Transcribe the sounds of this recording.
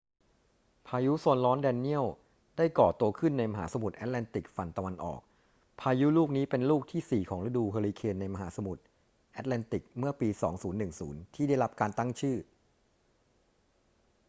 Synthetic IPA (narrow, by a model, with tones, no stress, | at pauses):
pʰaː˧ju˦˥so˧nlɔː˦˥ndɛː˧nːi˥˩əw | daː˥˩jkɔː˨˩t̪u˧əkʰɯ˥˩nːa˧jma˧ɦa̰ː˩˦sa˧mu˨˩t̪̚ʔɛː˦˥t̪̚lɛː˧nt̪i˨˩k̚fa˧nt̪a˧wa˧nʔɔ̰ː˨˩k̚ | pʰaː˧ju˦˥luː˥˩k̚niː˦˥pe˧nluː˥˩k̚t̪ʰiː˥˩siː˨˩kʰɔː˩˦ŋɾa˦˥duː˧pʰeː˧liː˧kʰeː˧nːa˧jma˧ɦaː˩˦sa˧mu˨˩t̪̚ | ʔɛ˦˥t̪̚lɛː˧nt̪i˨˩k̚mɯ˥˩ɐpiː˧sɔː˩˦ŋsuː˩˦nːɯ˨˩ŋsuː˩˦nt̪ʰiː˥˩da˥˩jla˦˥p̚kaː˧nt̪a˥˩ŋt͡ɕʰɯː˥˩